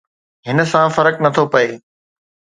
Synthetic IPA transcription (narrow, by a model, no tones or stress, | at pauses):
ɦɪnə̆sãfɐɾəknɐt̪ʰopɐeː